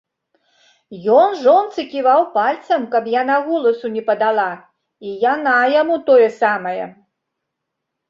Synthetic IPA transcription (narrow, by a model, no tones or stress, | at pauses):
jɔnʐɔnt̪sɨkʲivawpalʲt̪sɐmkɐpjanaɣɔlˠɐsunʲɛpɐd̪alˠa | ijanajamut̪ɔjɛsamɐjɐ̰